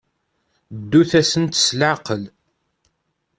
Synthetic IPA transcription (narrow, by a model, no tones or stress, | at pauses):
d̪ːuθæsənt̪slʕaqəl